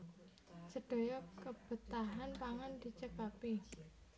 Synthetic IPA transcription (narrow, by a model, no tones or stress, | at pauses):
d͡ʒ̥ə̤ɖ̥o̤jɔkəb̥ə̤t̪aɦanpaŋand̪̥i̤t͡ʃəkapi